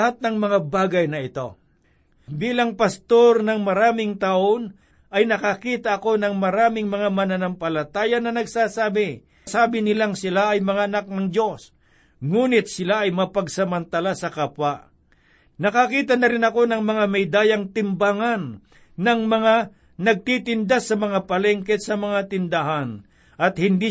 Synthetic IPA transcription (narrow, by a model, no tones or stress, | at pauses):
hat̪̚nɐŋmɐŋabaːɡɐjnɐɪt̪o̞ | biːlɐŋpɐst̪o̞ɾnɐŋmɐɾaːmɪŋt̪ɐʔon | ʔɐjnɐkɐkiːt̪ɐɐko̞nɐŋmɐɾaːmɪŋmɐŋamɐnɐnɐmpɐlɐt̪aːjɐnɐnɐɡsaːsaːbɪ | saːbɪnɪlaŋsɪlaʔɐjmɐŋaʔɐnak̚nɐŋd̪jo̞s | ŋuːnɪt̪̚sɪlaɐjmɐpɐɡsɐmɐnt̪alasɐkapwa | nɐkɐkiːt̪ɐnɐɾɪnɐko̞nɐŋmɐŋamɛjd̪aːjɐŋt̪ɪmbaŋanː | ɐŋmɐŋa | nɐɡ̚t̪it̪ɪnd̪asɐmɐŋapɐlɛŋkɛt̪sɐmɐŋat̪ɪnd̪aɦan | ʔɐt̪̚hɪnd̪i